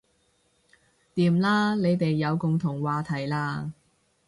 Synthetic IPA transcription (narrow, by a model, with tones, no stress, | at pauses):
t̪iː˨˧mlaː˥le˨˧jt̪e˨jːɐ˨˧wkʊ˨ŋt̪ʰʊ˨˩ŋwaː˨˧t̪ʰɐ˨˩jlaː˧